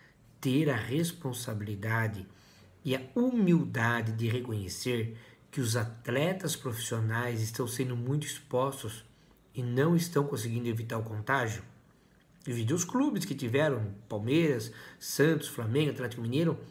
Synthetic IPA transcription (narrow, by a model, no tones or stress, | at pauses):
t̪eɾɐʁespõsabilid̪ad̪ɪ | ɪɐumiwd̪ad̪ɪd̪ɪʁekõɲeseɾkɪʊzat̪lɛt̪ɐspɾofi̥sionajzɪst̪ɐ̃w̃sẽnd̪ʊmũj̃t̪ʊispɔst̪ʊs | ɪnɐ̃w̃ɪst̪ɐ̃w̃kõsɪɡĩnd̪ʊevit̪aɾʊkõnt̪aʒjʊ | vid̪ʊsklubɪskɪt̪ivɛɾɐ̃w̃pawmejɾɐsːɐ̃nt̪ʊ̥sflamẽɡʊat̪lɛt̪ikʊmĩnejɾʊ